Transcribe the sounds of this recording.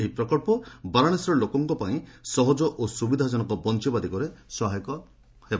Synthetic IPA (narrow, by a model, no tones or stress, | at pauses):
eɦipɾɔkɔɾpɔbaɾaɽ̃esɾɔlokɔŋkɔpaĩsɔɦɔd͡ʒɔʔosubid̪ʱad͡ʒɔnɔkɔbɔnt͡ʃibad̪ikɔɾesɔɦajkɔ | heb